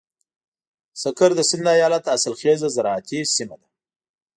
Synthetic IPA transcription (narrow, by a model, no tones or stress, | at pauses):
sakaɾd̪əsɪnd̪ajɑlat̪asalxezazaɾɑat̪ʰisimad̪a